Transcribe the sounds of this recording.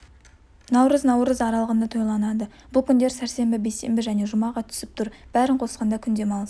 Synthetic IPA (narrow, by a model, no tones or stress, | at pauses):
nɑwɾəznɑwɾəzɑɾɑlˠʁənd̪ət̪ʰo̞jlˠɑnɑd̪əb̥ʊlˠkʲʰʏnd̪e̞ɾsæɾse̞mbɪbejse̞̰mbɪʒæne̞ʒʊmɑʁɑt̪ʰʏ̥sɪp̚t̪ʰʊɾb̥æɾɪɴqʰo̞sqɑnd̪ɑkʲʰʏnd̪e̞mɑlˠəs